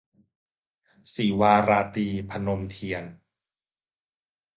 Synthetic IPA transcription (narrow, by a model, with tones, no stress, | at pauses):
siː˩˦waː˧ɾaː˧t̪iː˧pʰa˧no˧mt̪ʰi˧ən